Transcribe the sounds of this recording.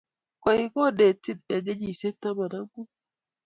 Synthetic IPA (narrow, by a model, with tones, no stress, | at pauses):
kʷa˨i˨ko˦˨de˨ti˦t̚e˨ɡe˦d͡ʒi˨se˦k̚ta˦ba˨na˦ku˦